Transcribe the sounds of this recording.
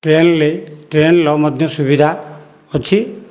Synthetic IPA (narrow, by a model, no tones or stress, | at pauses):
ʈɾenleʈɾenlɔwmɔd̪ʱjɔsubid̪ʱa | ɔt͡ʃʰi